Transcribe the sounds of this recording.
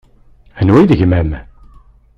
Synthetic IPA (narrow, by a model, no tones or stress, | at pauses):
ænwæðəʝmæm